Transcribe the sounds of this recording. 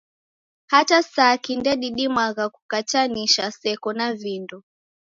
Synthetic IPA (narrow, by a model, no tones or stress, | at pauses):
hatasaːkindɛɗiɗimaɣaku̥kat͡ʃaniʃasɛkɔnavindɔ